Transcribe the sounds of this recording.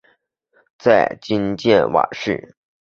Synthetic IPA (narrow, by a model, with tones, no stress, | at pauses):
t͡sa˥˩ɪt͡ɕi˥nt͡ɕjɛ˥˩nwa̰˨˩˦ʂɻ̩̰˥˩